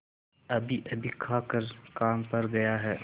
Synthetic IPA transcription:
ɐbʱiʔɐbʱikʰaːkəɾkaːmpɐɾɡɐjaɦɛː

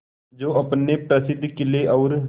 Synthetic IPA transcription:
d͡ʒoːɐpnepɾəsɪd̪ʱːkɪleʔɔːɾ

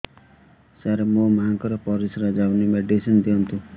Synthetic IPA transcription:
saɾemõmaŋkɔɾɔpɔɾisɾad͡ʒawnimeɖisind̪iɦʌnt̪u

